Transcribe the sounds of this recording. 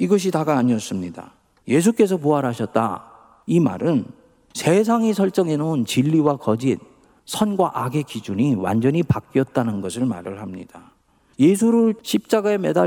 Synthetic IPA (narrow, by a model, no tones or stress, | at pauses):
iɡʌɕ̬ʰitaɡaːɲiʌs͈ɯmɲida̰ | je̞s̬ʰuk͈e̞s̬ʰʌpuɦaɾɦaɕʰʌt̚t͈a̰ | ima̰ɾɯn | sʰe̞s̬ʰaŋisʰʌɭt͡ɕ͈ʌŋe̞noont͡ɕiʎːiwakʌd͡ʑin | sʰʌnɡwaʔaɡe̞kid͡ʑuɲiwa̰nd͡ʑʌɲipak̚k͈jʌt̚t͈anɯnɡʌsʰɯɭma̰ɾɯɭhamɲḭd̥a | je̞sʰuɾɯɭɕʰip̚t͡ɕ͈aɡae̞me̞da